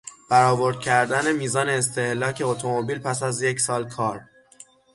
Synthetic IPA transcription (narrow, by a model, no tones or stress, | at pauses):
b̥æɾɒːvo̞ɾd̪̥̚cʰæɾd̪æne̞miːzɒːne̞ːs̬t̪e̞hlɒːcʰe̞ot̪ʰomobiːlpʰæsæzje̞csɒːlkʰɒːɾ